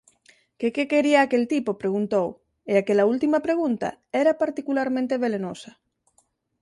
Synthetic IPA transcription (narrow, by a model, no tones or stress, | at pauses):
kekekeɾiaːkelt̪ipopɾeɣ̞unt̪ow | eakelault̪imapɾeɣ̞unt̪a̰ɛɾapaɾt̪ikulaɾmẽnt̪eβelenosa